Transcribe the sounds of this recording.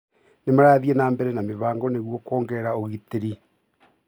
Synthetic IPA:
nemaɾaːðjɛnaːmbɛɾɛnameβaːŋɡɔneɣwokoːŋɡɛːɾaoɣiteɾi

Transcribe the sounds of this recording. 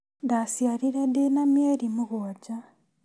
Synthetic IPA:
dasjaliɾedenamjeːɾimuɣoɟa

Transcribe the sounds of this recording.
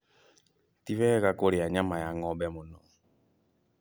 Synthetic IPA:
tiβɛɣakoɾiaɲamajaŋɔbɛmʊnɔ

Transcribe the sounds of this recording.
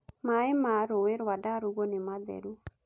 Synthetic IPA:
maemaɾoeɾwadaɾuɣɔnemaðɛ̰ɾu

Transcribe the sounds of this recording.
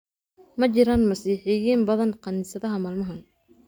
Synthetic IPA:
mɐt͡ʃɪɾanmɐsiːħɪjiːnbɐðɐnqɑniːsɐðɐɦɐmaːlmɐɦɐn

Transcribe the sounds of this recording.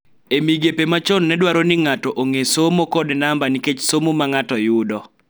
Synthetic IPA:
emiɡepemat͡ʃɔnːɛdwaɾonɪŋatɔʔoŋesomokɔdnambaniket͡ʃsomomaŋatɔjʊdɔ

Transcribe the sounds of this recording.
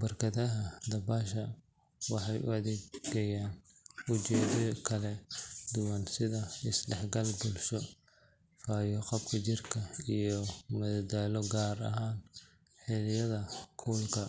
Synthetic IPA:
bɐrkʰɐðɐɦɐd̪ɐbaːʃɐ | wɑħɑjʊ̰ɐðɛːɡɡɐjaːnʊt͡ʃɛːðɔkʰɐlɛd̪ʊwɑnsɪðɐɪsɖɛħɡɐlbʊlʃɔ | faːjɔqɔbkʰɐt͡ʃɪrkʰɐijɔmɐðɐd̪aːlɔɡaːrɐ̰ɦaːn | ħɪlɪjɐðɐkʰuːlkʰɐ

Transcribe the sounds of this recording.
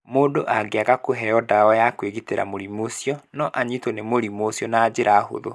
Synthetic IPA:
moːdoʔaɡeaɣakoɦɛɔdaɔjakweɣiteɾa̰moɾimosiɔnɔʔaɲitonemoɾimosjɔnaːd͡ʑeɾaho̰ðo̰

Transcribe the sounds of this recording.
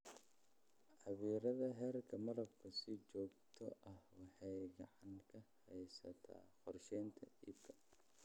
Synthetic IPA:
ʕɑβiːɾɐðɐɦɛːrkʰɐmɐɾɐb̚kʰɐsɪt͡ʃɔːɡt̪ʰɔʔɐhwɑħɑjɡɑʕɑŋkʰɐhɛjsɐ̰t̪ʰa̰ːχɔrʃɛjnt̪ʰɐʔiːb̚kʰɐ̥

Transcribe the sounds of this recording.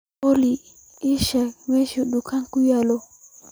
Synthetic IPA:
oli | iʃamɛʃuɗukaŋkujalɔ

